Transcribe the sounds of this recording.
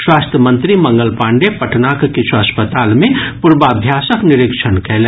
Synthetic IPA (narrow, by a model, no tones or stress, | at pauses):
swaːst̪ʰjəmə̃nt̪ɾimɐ̃ŋɡəlpãːɳɖepɐʈʰnakkit͡ʃʰuɐspət̪aːlmẽpuɾbaːbʱjaːsəknɪɾɪkʃʰənkɛɦle